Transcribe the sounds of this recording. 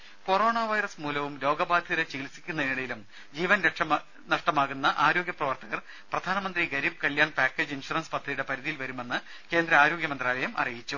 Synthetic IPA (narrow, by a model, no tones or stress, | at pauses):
ko̞ro̞ːɳaːʋɐjɾɐsmuːlɐʋumlo̞ːɡɐbaːd̪ʱjɐɐɾɐt͡ɕiːlsi̥kʲːunːɐiniɽɐjilum | d͡ʑiːʋɐnɐʂɐ | nɐʂʈɐmaːɣunːɐʔaːɾo̞ːɡʲjɐprɐʋɐrt̪ɐɣɐr | prɐd̪ʱaːnɐmɐnd̪riɡɐɾib̚kɐljaːɳpaːkːeːd͡ʑinʂurɐnspɐt̪ʰːrijuɽe̞pɐɾiðijilʋɐɾume̞nːɨ | ke̞ːnd̪ɾɐaːɾo̞ːɡjɐmɐnd̪raːlɐjɐmɐ̰rijit͡ɕːu